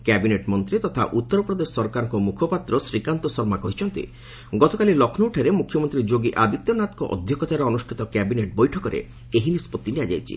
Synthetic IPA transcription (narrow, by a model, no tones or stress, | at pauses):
kɛbineʈmɔnt̪ɾit̪ɔt̪ʰa̰ʔut̪ːɔɾɔpɾɔd̪esɔsɔɾkaɾɔŋkɔmukʰɔpat̪ɾɔsɾikant̪ɔsɔɾmakɔɦit͡ʃʰɔnt̪ḭ | ɡɔt̪ɔkalilɔkʰnɔuʈʰaɾemukʰːjɔmɔnt̪ɾid͡ʒoɡiʔad̪it̪ːjɔnat̪ɔkɔʔɔ̰d̪ʱjɔkɔt̪aɾɔɔnusʈʰit̪ɔkɛbineʈ̚bɔjʈʰɔkɔɾḛ | eɦinispɔt̪ːiniad͡ʒa̰jt͡ʃʰḭ